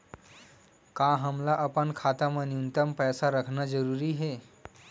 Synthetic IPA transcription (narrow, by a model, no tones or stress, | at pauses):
kaɦəmlaʔəpənkʰat̪amãniunt̪əmpɛsaɾəkʰnad͡ʒəɾuɾiɦe